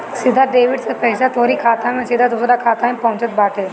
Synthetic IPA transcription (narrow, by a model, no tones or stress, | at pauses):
sɪd̪ʱaɖeːʋɪɖsẽpɛːɪsat̪ʰoːɾikʰaːt̪ʰãmẽːsɪd̪ʱad̪ʊsɾakʰaːt̪ʰãẽpɐɦʊ̃t͡ʃət̪̚baːʈʰe